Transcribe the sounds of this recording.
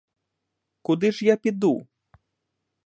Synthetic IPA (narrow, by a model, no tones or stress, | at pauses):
kud̪ɨʐjapʲid̪u